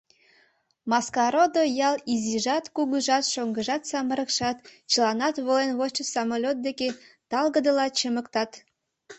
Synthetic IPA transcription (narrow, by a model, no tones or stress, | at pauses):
mɑskɑɾod̪ojɑliziʒɑt̪kuɣəʒɑt̪ʃoŋɡəʒɑt̪sɑmə̆ɾə̆kʃɑt̪t͡ɕəlɑnɑt̪βolenβot͡ɕə̆sɑmolʲot̪̚d̪eket̪ɑlˠɣəd̪əlɑt͡ɕəmə̆kt̪ɑt̪